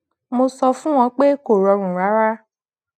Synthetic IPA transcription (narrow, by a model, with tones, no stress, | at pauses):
mo˧sɔ˧fũ˦w̃ɔ̃˧k͡pe˦ko˨ɾɔ˧ɾ̃ũ˨ɾa˨˦ɾa˦